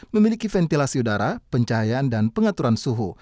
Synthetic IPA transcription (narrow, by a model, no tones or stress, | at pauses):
məmilikifɛnt̪ilasiudaɾapəɲt͡ʃaɦajaːndanpəŋat̪uɾansuɦu